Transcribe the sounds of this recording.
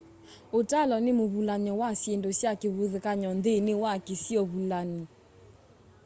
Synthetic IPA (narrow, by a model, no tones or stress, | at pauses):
otalɔnemoβulaɲɔwasjendosjakeβoðekaɲɔndenewakesiɔβulani